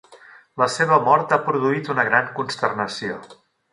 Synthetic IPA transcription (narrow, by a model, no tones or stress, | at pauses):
ləseβəmɔɾt̪apɾuðuit̪unəɣ̞ɾaŋkunst̪ərnəsio